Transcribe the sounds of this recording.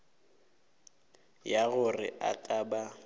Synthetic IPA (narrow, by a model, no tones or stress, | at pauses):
jaɣʊrɪ̰ʔa̰kʼaba